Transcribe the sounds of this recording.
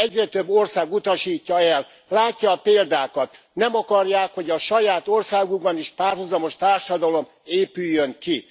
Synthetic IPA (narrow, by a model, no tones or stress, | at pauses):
ɛɟrɛt̪ø̞bːo̞rsaːɡut̪ɒʃiːcːɒɛlː | aːcːɒːpeːld̪aːkɒt̪ | nɛmɒkɒrjaːkho̞ɟɒʃɒjaːt̪orsaːɡuɡ̚bɒniʃpaːrɦuzɒmo̞ʃt̪aːrʃɒd̪ɒlo̞m | eːpyjːøŋki